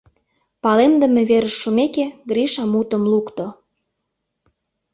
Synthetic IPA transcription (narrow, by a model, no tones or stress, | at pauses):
pɑlemd̪ə̆meβeɾəʃːumekeɡɾiʃɑmut̪əmlukt̪o